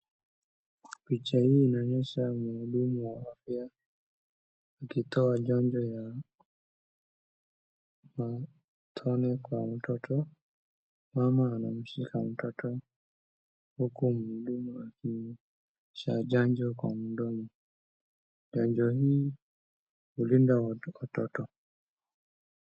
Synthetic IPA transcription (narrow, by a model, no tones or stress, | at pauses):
pit͡ʃahiːnaɲɛʃamulumuwaafja | kitɔad͡ʒaɲd͡ʒɔja | ma | tʰɔnɛkwam̩tɔtʰɔ | mamaːnam̩ʃikʰam̩tɔtʰɔ | hukum̩ɗumulakini | ʃad͡ʒaɲd͡ʒɔkwam̩dɔmu | d͡ʒaɲd͡ʒɔhiː | hulindawatɔtɔ